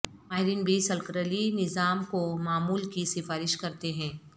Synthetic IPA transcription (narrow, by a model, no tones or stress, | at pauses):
maːɦɪɾinbʱisɐlkɾəlinɪzaːmkomaːmuːlkisɪfaːɾɪʃkɐɾt̪eɦɛ̃ː